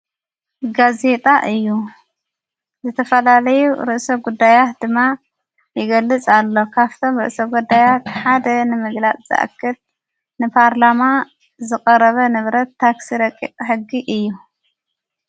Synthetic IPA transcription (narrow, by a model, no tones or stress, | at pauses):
ɡaze̞t̪ʼaʔɨjːu | zɨt̪ʰɐfɐlalɐjuɾɨʔsoɡud̪ːajat̪̚d̪ɨmːa | jɪɡɐlːɨt͡sʼalːo̞kʰaβt̪ʰo̞mɾɨʔsoɡud̪ajat̪ħad̪ɐnɨmɨɡlat͡sʼz̥ɨ̰ʔa̰kʰːɨl | nɨpʰaɾlama | zɨkʼɐɾɐβɐnɨβɾɐt̪ːaksiɾɐkʼːḭqʼħɨɡːiʔɨjːu